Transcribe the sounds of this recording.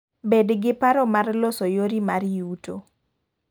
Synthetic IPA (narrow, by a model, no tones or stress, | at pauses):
bedɡɪpaɾɔmarlosojoɾimaɾjuto